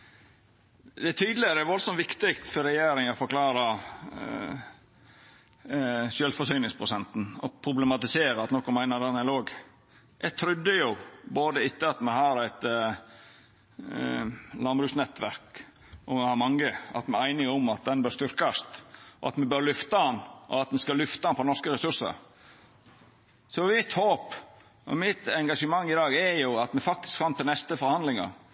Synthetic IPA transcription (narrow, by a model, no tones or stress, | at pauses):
d̪ɛæt̪ʰyːd̪lɪəɾʋɔlsɔmʋɪkt̪ɪkt̪fɔɾɛjeːɾɪŋɔfɔɾkʰlɑːɾɑ | ʃjøːlfɔsyːnɪŋspʰɾʊsɛnt̪n̩ɔpʰɾʊblɛmɑt̪ɪseːɾəɑt̪nɔkːɔmæɪnəd̪ɛnɛloːɡ | ʔɛɡt̪ʰɾʏd̪ːəjʊboːd̪əɪt̪ːəɑt̪mɛɦɑːɾæɪt̪ | lɑnbɾʉːsnɛt̪ːʋæɾk | ʔɔmɛhɑɾmɑŋːəɑ̰t̪mɛæɪnɪʊmɑt̪̚d̪ɛnbœːɾʂst̪ʏɾkɑst̪ɔ̰ɑ̰t̪mɛbøɾlʏft̪ɑɑnʔɔ̰ɑt̪mɛskɑlʉft̪əɑnpʰɔnɔʂkəɾɛsʉʂə̰ɾ | sɔmɪt̪hoːp | ʔɔ̰mɪt̪ɛŋɡɑʂəmɑŋːɪd̪ɑːɡɛɾjʊɑt̪mɛfɑk̚t̪ɪ̥skfɑnt̪ʰɪlnɛst̪əfɔɾhɑnd̪lɪŋɑ̰